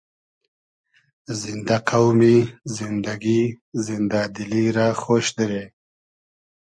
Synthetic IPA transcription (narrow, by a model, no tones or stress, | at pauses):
zɪnd̪aqʰawmizɪnd̪aɡizɪnd̪ad̪iliɾaxoːʃd̪iɾe